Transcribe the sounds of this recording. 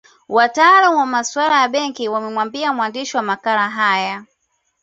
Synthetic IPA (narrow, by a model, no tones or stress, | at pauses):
watalamwamaswalajaɓɛŋkiwamɛmwambiamwandiʃiwamakaɾaɦaja